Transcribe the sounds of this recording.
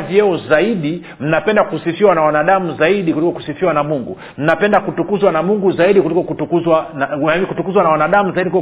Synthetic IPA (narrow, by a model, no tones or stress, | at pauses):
viɛɔzaiɗi | m̩napɛndakusifiwanawanaɗamuzaiɗikulikɔku̥sifiwanamuŋɡṵ | m̩napɛndakutukuzwanamuŋɡuzaiɗikulikɔkutukuzwanikutukuzwanawanaɗamuzaiɗikliɔ